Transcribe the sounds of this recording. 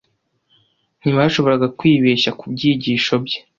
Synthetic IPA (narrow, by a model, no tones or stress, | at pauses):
n̥iβahaʃo̞βo̞ɾaɡakwiːβeːʃakubɟiːɟiːʃo̞bɟe̥